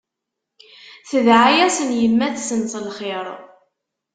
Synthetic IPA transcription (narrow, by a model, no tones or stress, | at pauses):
θəðʕajæsənjəmːæθsənsˤlχeɾˤ